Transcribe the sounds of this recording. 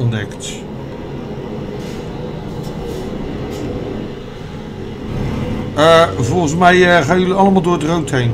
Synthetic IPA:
nɛkt | vɔlˠχənsmɛjəχaːjjɵliɑləmaːlˠdʊːɹətrowtɦejn

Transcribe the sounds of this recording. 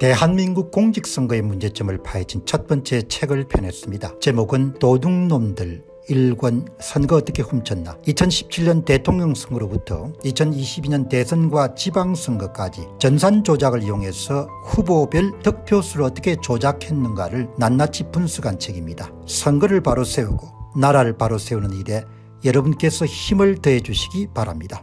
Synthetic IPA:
te̞ɦanminɡuk̚k͈oŋd͡ʑik̚s͈ʌŋɡʌe̞mund͡ʑe̞t͡ɕ͈ʌmɯɭpʰaɦed͡ʑint͡ɕʰʌt̚p͈ʌnt͡ɕ͈e̞t͡ɕʰe̞ɡɯɭpʰjʌnɦe̞s͈ɯmɲida̰t͡ɕe̞moɡɯntoduŋnomdɯɭ | iɭɡwʌnsʰʌnɡʌʌt͈ʌkʰe̞ɸumt͡ɕʰʌnːa̰it͡ɕʰʌnɕʰi̥p̚t͡ɕʰiʎːʌnte̞tʰoŋɲʌŋsʰʌŋɡɯɾobutʰʌ̰it͡ɕʰʌniɕʰibiɲʌnte̞sʰʌnɡwat͡ɕibaŋsʰʌŋɡʌk͈ad͡ʑit͡ɕʌnsʰand͡ʑod͡ʑaɡɯɭjoŋɦe̞sʰʌ | hubobjʌɭtʌk̚pʰjosʰɯɾoʌt͈ʌkʰe̞t͡ɕod͡ʑakʰenːɯnɡa̰ɾɯɭnanːat͡ɕʰip͈unsʰuɡant͡ɕʰeɡimɲida | sʰʌŋɡʌɾɯɭpaɾosʰe̞uɡonaɾaɾɯɭpaɾosʰe̞unɯnide̞ | jʌɾʌbunk͈e̞sʰʌçimɯɭtɯɦed͡ʑuɕʰi̥ɡipaɾa̰mɲida

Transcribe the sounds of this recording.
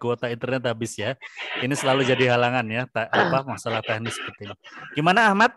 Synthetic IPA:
kuot̪aint̪ərnɛt̪habɪsjainisəlalud͡ʒadiɦalaŋanjat̪aapamasalaht̪ɛhnɪsə̥pərt̪iɲaɡ̥imanaːhmat̪̚

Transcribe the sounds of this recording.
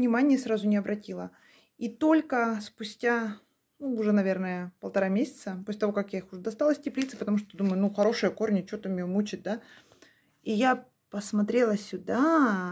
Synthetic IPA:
nʲɪmanʲɪjəsɾazʊnʲɪɐbɾʔɐtʲilˠə | it̪o̞lʲkəspʊsʲtʲa | nuːʐɛnɐvʲe̞rnəjəpəlˠt̪ɐɾamʲesʲɪ̥t̪səposʲlʲɪt̪ɐvo̞kɐkjaixʊʐɛd̪ɐst̪alˠəsʲtʲɪplʲit̪sɨ̥pət̪ɐmuʂt̪od̪uməjʊnuxɐɾo̞ʂɨjəko̞rnʲət͡ɕot̪əmʲɪjomut͡ɕɪt̪̚d̪a | ija | pəsmɐt̪ɾʲe̞lˠəsʲʊd̪a

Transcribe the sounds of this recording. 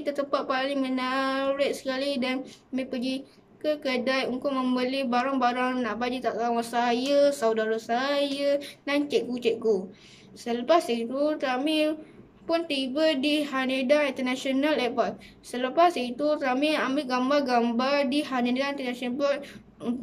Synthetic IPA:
t̪ət̪əpat̪̚palɪŋmənaɾɪt̪̚sə̥kalidanməpəɡi | kəkədajuŋkʊʔ̚məmbəlibaɾaŋbaɾaŋnaʔbad͡ʒit̪aʔkawasajasawdaɾasajənant͡ʃɛʔ̚ɡut͡ʃɛʔ̚ɡu | sələpasit̪ut̪ami | pʊnt̪ibədihanedaŋint̪ənasonalɛpat̚ | sələpasit̪ut̪amiamiʔɡambarɡambardiɦanedaint̪ənasonapɔt̚ | ŋ

